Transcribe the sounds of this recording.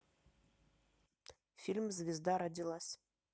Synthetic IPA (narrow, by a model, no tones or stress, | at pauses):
fʲilʲmzʲvʲɪzd̪ɑɾad̪ʲilˠɑsʲ